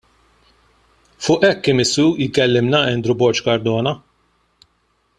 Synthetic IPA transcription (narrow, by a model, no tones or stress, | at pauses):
fʊːʔɛkːɪːmɪsuːkɛlːɪmnɐɛnd̪ɾʊbɔɾt͡ʃkɐɾd̪ɔːnɐ